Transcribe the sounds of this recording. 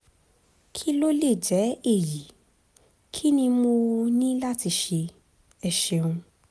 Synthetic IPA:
kʰi˦lo˦le˦˨d͡ʒɛ˨˦e˦˨ji˨˦ | kʰi˦nĩ˧mo˧nĩ˦la˦ti˧ʃe˧ | ɛ˧ʃẽ˧ũ˧

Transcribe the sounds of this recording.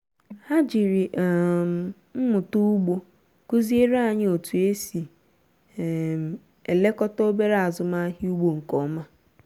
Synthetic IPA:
ha˦d͡ʒi˨ɾi˨ʔm̩˨ | m̩˦mʊ˨tu˦ɡ͡bo˦ | ku˦zi˦e˦ɾa˦˨ɲ˦o˨tu˨e˦si˨ | m˨ | e˨le˦kɔ˦tɔ˦o˦be˦ɾa˦a˨zʊ˨ma˦ɦi˦u˦ɡ͡bo˨ŋ̩˨kɔ˨˦ma˦

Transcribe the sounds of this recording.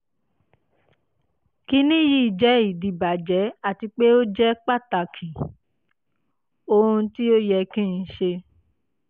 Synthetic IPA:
ki˦nĩ˦ji˦˨d͡ʒɛ˨˦i˦˨di˨ba˨d͡ʒɛ˨˦a˦˨ti˧k͡pe˦o˦d͡ʒɛ˦k͡pa˦˨ta˨kʰĩ˨ | o˧ũ˧ti˦o˦jɛ˧kĩ˦˨˧ʃe˧

